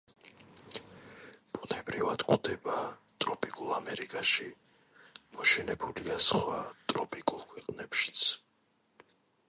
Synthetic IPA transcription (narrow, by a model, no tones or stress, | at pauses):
b̥unɛbɾivad̪kʼud̪ɛbat̪ʼɾɔpʼikʼulˠamɛɾikʼaʃi | mɔʃɛnɛbuliasχwat̪ʼɾɔpʼikʼulˠkʰwɛqʼnɛpʃi̥t̪sʰ